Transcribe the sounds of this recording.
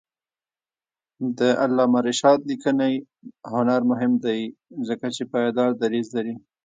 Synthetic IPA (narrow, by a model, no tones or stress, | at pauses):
d̪əʔalːɑmaɾɪʃɑd̪likənaj | hʊnaɾmʊɦɪmd̪ajzəkat͡ʃepɑjɑd̪ɑɾd̪aɾizlaɾi